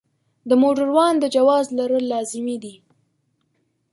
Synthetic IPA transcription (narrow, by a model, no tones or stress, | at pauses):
d̪əmoʈəɾwɑnd̪əd͡ʒawɑzlaɾəlːɑzɪmid̪i